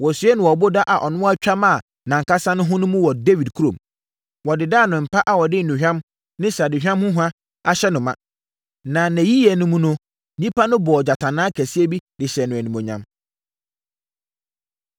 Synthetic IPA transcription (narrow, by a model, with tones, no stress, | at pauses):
wɔ˨sɥɛ˦nʊ̃˨wɔ˨bʊ˦da˦ʔa˨ʔɔ˨nʊ̃˦wt͡ɕᶣa˦mã˦˨ | nã˨ŋkʰa˦sã˦nʊ̃˦ɦʊ̃˦nʊ̃˦mũ˦wɔ˨de˦vi˨dkʰu˦ɾõ˨m | wɔ˨dɪ˨daː˦˨nʊ̃˨m̩˨pʰa˦ʔa˨wɔ˨dɪ˦n̩˨nʊ̃˨hᶣã˦m | nɪ̃˦sa˨dɪ̃˨hᶣã˦mhʊ̃˦ɦu˦a˦ | a˦ɕɛ˦nʊ̃˨mã̰˨ | nã˨næ̃˨ji˦jɛ˨nʊ̃˦mũ˦nʊ̃˦ | nĩ˦pʰa˦nʊ̃˦bɔː˨d͡ʑa˨tʰã˨nãː˦kʰæ˨si˦e˦bi˦dɪ˨ɕɛ˨nʊ̃˨æ˨nĩ˨mõ˨ɲã̰˦m